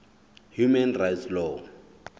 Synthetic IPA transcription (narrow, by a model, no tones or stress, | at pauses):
hjumɛnrajtslɔ